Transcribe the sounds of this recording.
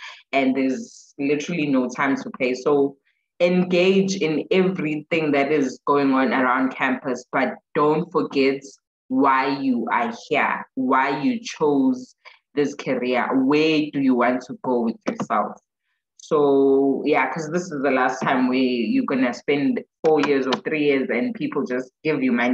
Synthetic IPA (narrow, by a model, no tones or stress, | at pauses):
ɛ̃nðɛzlɪtʰəɹəlinoʊtʰãɪ̃mtʰupʰeɪso | ɛ̃nɡeɪd͡ʒɪ̃nɛvɹiθɪ̃ŋðætɪzɡ̥oʊɪ̃ŋɔ̃nəɹãʊ̃nd̚kʰæ̃mpʰəsb̥at̚d̥õʊ̃ntfɔɡɛt | wajjuʔa̰hḭwajjut͡ʃʰoz | ðɪskʰaɹiə̰wɛdujuwɔ̃ntʰuɡowɪðjɔsɛ̰lˠf | sojakʰɔzðɪsɪzðəlastʰãɪ̃mwɛjuɡɔnəspɛ̃ndfɔjiɹzɔθɹijizɛ̃npʰipʰl̩ˠd͡ʒasɡ̥ɪvjumani